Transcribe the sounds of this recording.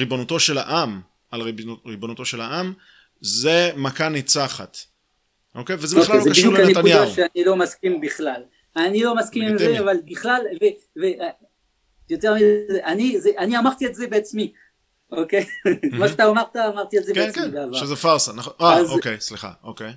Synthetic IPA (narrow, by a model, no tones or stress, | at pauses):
ʁibonut̪o̞ʃela̰ʔam | alʁiʁibonut̪o̞ʃelaʔam | zemakanit͡saχat̪ | ʔokejvezeboχlalozekaʃidjulkanenekt̪anujad̪aʃeanilo̞maskimbiχlal | anilo̞maskimizeavalbiχlalve | veʔ | jot̪eʁmizeʔanizeʔaniamaʁt̪ielzebeat͡smi | okejkmaʃat̪aːmaʁt̪aːmaʁt̪ielzekeeakeibeavaʃezefaʁsanaχonʔaazokejsliχa̰ʔokej